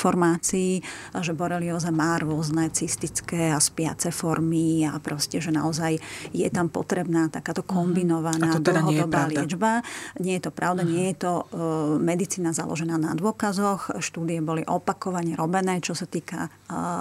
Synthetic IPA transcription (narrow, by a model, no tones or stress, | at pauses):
ɔɾmaːt͡siː | ʒɛbɔɾɛliɔzamaːɾʊɔznɛːt͡sist̪it͡skɛːaspɪa̰t͡sɛfɔɾmiapɾɔscɛʒɛna̰ɔzajjɛ̰t̪ampɔ̰t̪ɾɛbnaːt̪akaːt̪ɔkʰɔmbinɔʋanaːd̪lɦɔd̪ɔbaːlɪɛd͡ʒbaɲɪɛjɛt̪ɔpɾaʊd̪aɲɪɛjɛt̪ɔmɛd̪it͡siːnaza̰lɔ̰ʒɛnaːna̰d̪ʊɔkazɔxʃt̪uːd̪iɛbɔliʔɔpakɔʋaɲɛɾɔbɛnɛːt͡ʃɔsat̪iːka̰